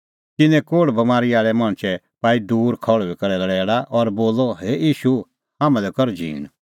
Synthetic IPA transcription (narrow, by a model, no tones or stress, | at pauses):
t̪ɪnɛ̃koːɽbɐmaːɾiaːɭɛmãːɽ̃t͡ʃɛ | paːid̪uːɾkʰɔɭɔikɐɾɛlɐɽɛːɽaʔɔɾboːlːɔɦeːjiːʃu | haːmãlɛkɔɾd͡ʒḭ̃ːñ